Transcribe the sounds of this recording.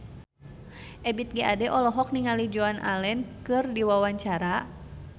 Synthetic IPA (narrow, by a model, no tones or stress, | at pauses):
ʔɛbit̪̚ɡiʔadɛʔɔlɔɦɔk̚niŋalid͡ʒoanʔa̰lɛnkɨrdiwawaɲt͡ʃaɾa